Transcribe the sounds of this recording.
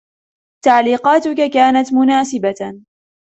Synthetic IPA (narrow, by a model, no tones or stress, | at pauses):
t̪aʕliːqɑːt̪ʊkakaːnat̪mʊnaːsɪba